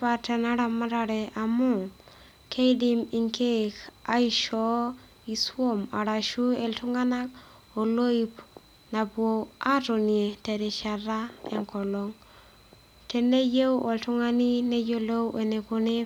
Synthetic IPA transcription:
pa˨te˨na˦ɾa˨ma˦ɾa˨ɾɛ˨ʔa˨mɔ˦ | kʰe˦i˦di˦mi˨ŋke˦ka˦i˦ʃɔ˦ | i˨swo˦ma̰˨ɾa˨ʃu˦e˨ltu˦ŋa˦na˦k̚ | o˨lo˦i˦p | na˨bwo˨a˦ɾo˨nie˨te˨ɾe˨ʃa˨ɾa˦ḛ˨ŋkɔ˨lɔ˦ŋ | te˨ne˦je˦wʔo˨ltu˦ŋa˦ni˦ne˦jo˦lo˦we˨ne˨ko˨ne˦

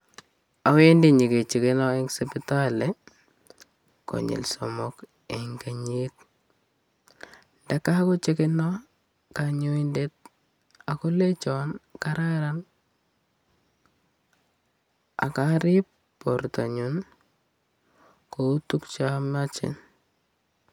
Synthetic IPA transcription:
a˨we˦ndi˦ɲi˨ke˨t͡ʃi˨kɪ˦nɔ˦e˦ŋsepɪtale | ko̰˨ɲɪ̰˨lsɔmɔk | e˨ŋɡe˨ɲit̚ | ndaka˦kʊ˦t͡ʃi˦kɪ˦nɔ˦ | kaɲo˦indet̚ | a˨kʊ˦le˦t͡ʃɔnka˦ɾaɾan | a̰˨kaɾɪ˦p | pːɔrtaɲun | kou˦tu˦kt͡ʃa˦mat͡ʃɪ̰n

